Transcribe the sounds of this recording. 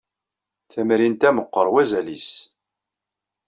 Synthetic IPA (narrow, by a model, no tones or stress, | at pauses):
θæmɾint̪æməqːəɾˤwæzælis